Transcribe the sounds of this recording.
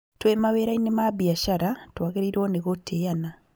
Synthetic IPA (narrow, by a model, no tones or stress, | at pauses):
twemaβeːɾainemabiaʃaɾatwaɡeɾiɾoːneɣotʰːejana